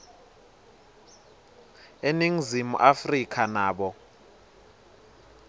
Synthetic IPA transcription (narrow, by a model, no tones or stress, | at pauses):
eniŋ̩zimṵʔafrikʰanaːɓɔ